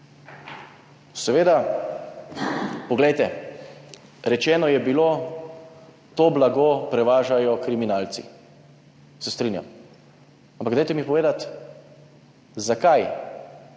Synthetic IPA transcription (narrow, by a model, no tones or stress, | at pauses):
sɛʋeːd̪a | pɔɡlɛjt̪ɛ | ɾɛt͡ʃɛːnɔjɛbiloː | t̪oːblaɡopɾɛʋaːʒajɔkɾiminaːlt̪sḭ | sɛst̪ɾinja̰m | ampakɡ̪ajt̪ɛmipɔʋeːd̪at̪ | zakaj